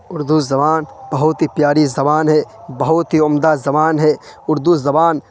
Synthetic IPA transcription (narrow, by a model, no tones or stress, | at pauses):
ʊɾd̪uzɐbaːnb̥ɐɦʊt̪ɦipjaːɾizɐbaːnɦɛːbɐɦʊt̪ɦiʊmd̪azɐbaːnɦɛːʊɾd̪uzɐbaːn